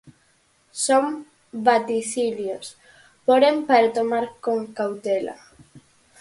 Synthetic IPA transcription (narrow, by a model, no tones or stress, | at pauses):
som | bat̪iθiljos | poɾempaɾat̪omaɾkoŋkawt̪ela̰